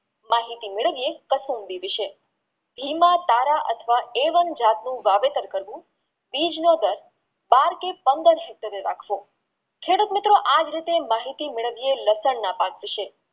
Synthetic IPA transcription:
maɦit̪imɪɭəʋijekəsumbiʋɪʃe | bʱimat̪aɾaʔət̪ʰʋaeʋənd͡ʒat̪nũʋaʋet̪əɾkəɾʋũ | bid͡ʒnod̪əɾ | baɾkepənd̪əɾɦɛk̚t̪əɾeɾa̰kʰʋo | kʰeɽut̪mɪt̪ɾoʔad͡ʒɾit̪emaɦit̪imɪɭəʋijeləsəɳnapakʋɪʃe

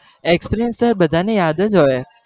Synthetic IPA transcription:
ekspeɾijənsəɾbəd̪ʱanejad̪əd͡ʒoe

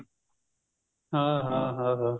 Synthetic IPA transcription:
ɦãɦãːɦãːɦaː

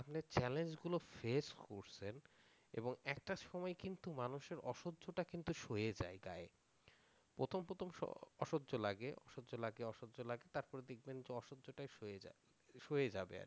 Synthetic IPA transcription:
apnet͡ɕɛlend͡ʑɡulofeskoɾt͡ɕʰen | ḛboŋɛk̚ʈaʃɔmɔekint̪umanuʃeɾɔʃodːd͡ʑoʈakint̪uʃojed͡ʑa̰eɡa̰e | pɾot̪ʰompɾot̪ʰomʃɔ̰ɔʃodʑolaɡeʔɔ̰ʃodːd͡ʑolaɡeɔʃodːd͡ʑolaɡet̪aɾpɔɾed̪ek̚ʰbend͡ʑeɔʃod͡ʑoʈajʃoea | ʃojed͡ʑabḛa̰ɾ

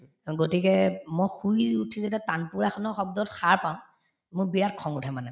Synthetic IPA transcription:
ɡotikɛmɔjxuiutʰizetatanpuɹɛxʰɔnɔxɔb̚dɔtxaɹpaʊ̃ | mʊbiɹat̚kʰɔŋutʰɛmanɛ

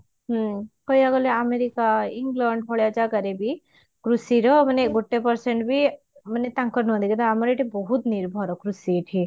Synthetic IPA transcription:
ɦəkɔjjaɡɔleameɾikaiŋɡlaɳɖɦɔɭjad͡ʒakəɾebi | kɾusiɾɔməneɡʱoʈːepəɾseɳʈbʱi | mənet̪ãŋkəɾnuɦd̪ikət̪aamɔɾeʈibɔɦut̪niɾbʱɔɾɔkɾusiʈʰi

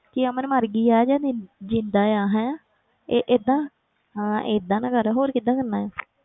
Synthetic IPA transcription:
kiamənmaɾɡiːaːd͡ʒaːd͡ʒɪ̃nd̪aːjaːɦɛ̃ː | eʔed̪ãː | ãːed̪ãːnãːkəɾɦoːɾkɪd̪ãːkənːaːɛː

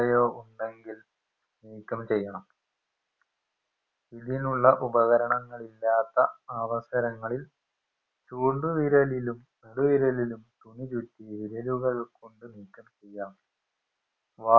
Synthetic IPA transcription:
ɐjoːʔuɳɖe̞ŋɡil | niːkʲːɐmt͡ɕe̞jːɐɳɐm | iðinuɭːɐʔubɐɣɐɾɐɳɐŋːɐɭilːaːt̪ːɐɐʋɐsɐɾɐŋːɐɭil | t͡ɕuːɳɖuʋiɾɐlilum | neɽuʋiɾɐlilumt̪uɳit͡ɕutːiʋiɾɐluɣɐɭkoɳɖɨniːkːɐmt͡ɕe̞jːaːm | ʋaː

